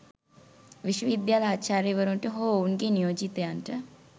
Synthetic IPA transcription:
ʋiʃʋəʋid̪jaːlaːt͡ʃaːɾeʋəɾuʈəɦoːunɡeːnijoːd͡ʒit̪əjanʈə

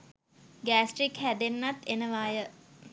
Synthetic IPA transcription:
ɡæːsʈrikhæd̪enːat̪enəʋaːjə

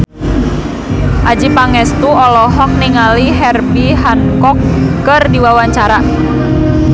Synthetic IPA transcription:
ʔad͡ʒipaŋɛst̪uɔlɔɦɔk̚niŋaliɦɛrbiɦankɔkːərdiwawaɲt͡ʃaɾa

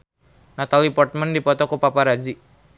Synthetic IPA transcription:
nat̪alipɔrt̪̚mandipɔt̪ɔkupapaɾad͡ʒi

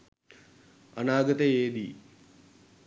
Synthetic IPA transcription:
a̰naːɡət̪əeːd̪i

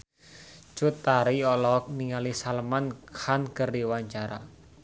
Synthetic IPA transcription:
t͡ʃʊt̪ːaɾiɔlɔk̚niŋalisalmankʰankərdiwaɲt͡ʃaɾa̰

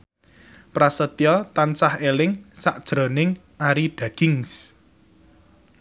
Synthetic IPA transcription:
pɾasət̪iɔt̪ant͡ʃahelɪŋsaʔd̥ʒ̥ɾɔ̤nɪŋ | aɾiɖ̥ä̤ɡ̥ɪŋs

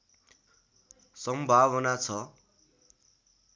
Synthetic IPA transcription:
sʌmbʱaβʌnat͡sʰʌ

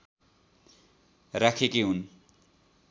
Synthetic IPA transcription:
rakʰekeɦun

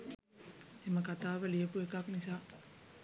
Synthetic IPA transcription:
eməkat̪aːʋəlijəpuekaknisaː

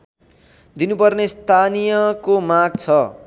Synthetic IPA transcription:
d̪inupʌrnest̪ʰanijʌkomaɡ̚t͡sʰʌ

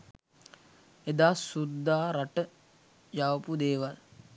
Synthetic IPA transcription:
ed̪aːsud̪ːaːɾaʈə | jaʋəpud̪eːʋal

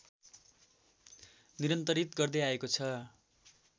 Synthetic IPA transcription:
niɾʌnt̪ʌɾit̪ɡʌrd̪ʌjaekot͡sʰʌ

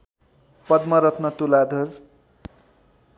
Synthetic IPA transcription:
pʌd̪mʌɾʌt̪ʰnʌt̪ulad̪ʱʌr

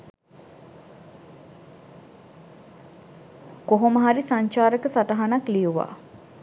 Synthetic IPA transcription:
koɦoməɦaɾisaɲt͡ʃaːɾəkəsataɦanaklijuʋa̰ː

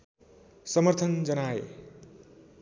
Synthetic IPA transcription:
sʌmʌrt̪ʰʌnd͡zʌnaḛ

